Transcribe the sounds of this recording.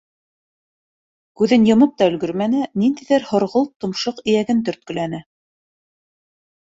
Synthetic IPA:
kʉðɘnjɤ̆mɤp̚t̪ɑɵ̆lɡɵɾmænɘnind̪ijðæɾhŏɾʁɤlˠt̪ŏmʃoqɘ̆jæɡɘnt̪ɵ̆ɾt̪̚kɵ̆lænɘ

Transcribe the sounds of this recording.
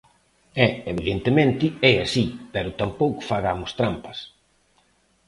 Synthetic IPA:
ɛeβ̞iðent̪emẽnt̪ɪɛasipɛɾʊt̪ampowkʊ̥faɣamʊst̪ɾampɐ̥s

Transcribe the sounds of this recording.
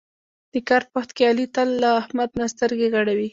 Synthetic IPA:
d̪̥əkɑɾpaxt̪kealit̪alːaːhmad̪̚nast̪əɾɡeɣaɽawi

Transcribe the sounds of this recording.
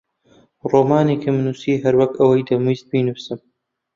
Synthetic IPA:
roːmaːneːkʰimnuːsiːɦɐɾwɐkɐwɐjd̪ɐmizt̪̚biːnɨfsɨm

